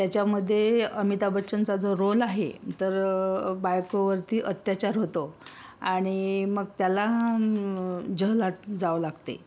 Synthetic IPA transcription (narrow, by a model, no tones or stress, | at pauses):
t̪jat͡ɕaməd̪ʱːjeəmit̪abətːɕənt͡sad͡zoɾolaɦḛt̪əɾbajkoʋəɾt̪iːʔət̪jat͡ɕaɾɦot̪oaɽ̃iməɡ̚t̪jala | d͡ʑəɦlat̪d͡zaʋlaɡt̪ḛ